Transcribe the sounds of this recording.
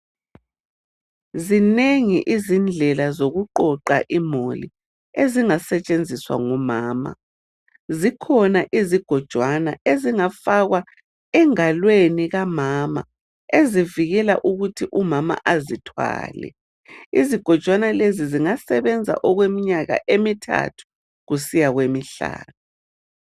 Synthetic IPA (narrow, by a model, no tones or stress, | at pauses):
zineŋḭʔizind͡ɮʱɛlazoɣuǃɔǃaʔimolḭ | eziŋasɛt͡ʃʼend͡zʱiswa̰ŋɔmaːma̰ | zikʰɔnaʔiziɡ̥ʱɔd̥ʒ̥ʱwanaʔeziŋafaɣwa | ɛŋalweniɣamaːma̰ | eziviɣɛla̰ʔuɣutʰiʔumama̰ʔazitʰwa̰ːlɛ̰ | iziɡ̥ʱɔd̥ʒ̥ʱwanaleziziŋasɛβɛnd͡zʱa̰ʔɔɣwemiɲaɣa̰ʔemitʰa̰tʰu̥ | ɣusijaɣwemiɬa̰ːnɔ